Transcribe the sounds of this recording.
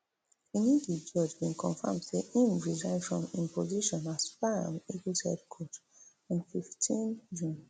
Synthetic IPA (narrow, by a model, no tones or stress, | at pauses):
ĩnidid͡ʒɔd͡ʒbĩnkʰɔ̃nfã̰mdseʔĩmɹizãɪ̃nfɹɔ̃mĩmpoziʃɔ̃naspaã̰miɡisɛ̰dkʰot | ĩnfiftʰĩnd͡ʒũn